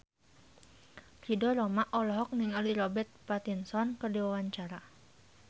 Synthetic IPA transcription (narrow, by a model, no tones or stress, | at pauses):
ridɔɾɔmaʔɔlɔɦɔk̚niŋaliɾɔbɛt̪̚pat̪insɔnkɨrdiwawaɲt͡ʃaɾa